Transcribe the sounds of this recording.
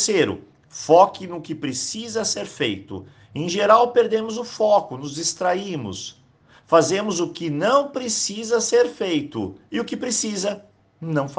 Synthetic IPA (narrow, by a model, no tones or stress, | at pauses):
seɾʊ̰ | fɔkɪnʊkɪpɾesizɐseɾfejt̪ʊ̰ | ẽj̃ʒeɾawpeɾd̪ẽmʊzʊfɔkʊnʊzd͡ʒist̪ɾaĩmʊ̰s | fazẽmʊzʊkɪnɐ̃w̃pɾesizɐseɾfejt̪ʊ̰ɪʊkɪpɾesizɐ | nɐ̃w̃fa